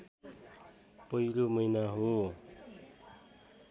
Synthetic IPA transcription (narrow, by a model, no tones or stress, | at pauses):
pʌilomʌjnaɦo